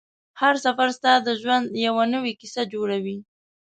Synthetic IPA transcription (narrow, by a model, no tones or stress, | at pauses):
haɾsafaɾst̪ɑd̪əʒwand̪jawanəwikisad͡ʒoɽawi